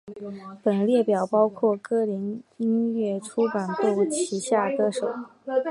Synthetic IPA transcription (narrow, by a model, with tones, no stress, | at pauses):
pə˨˩nljɛ˥˩pjɑ˨˩ʊpɑ˥ʊkʰwɔ˥˩kɤ˥˩li˧˥ni˥ŋnɥɛ˥˩ʈ͡ʂʰu˥pa˨˩npu˥˩t͡ɕʰi˧˥ɕja˥˩kɤ˥ʂo˨˩˦ʊ